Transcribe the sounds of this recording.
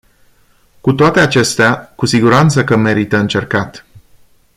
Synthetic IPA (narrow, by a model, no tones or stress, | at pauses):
kut̪oat̪e̞at͡ʃe̞st̪eakusiɡuɾant̪səkəme̞ɾit̪əɨnt͡ʃe̞rkat̪